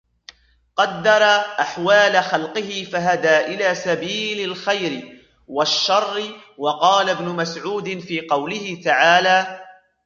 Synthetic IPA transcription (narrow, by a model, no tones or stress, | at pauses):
qɑd̪ːɑɾˤɑʔaħwaːlaxɑlqɪhɪfaɦad̪aːʔɪlaːsabiːlalxajɾɪ | waʃːɑrˤːɪwɑqɑːlabnʊmasʕuːd̪ɪnfiːqɑwlɪhɪt̪aʕaːlaː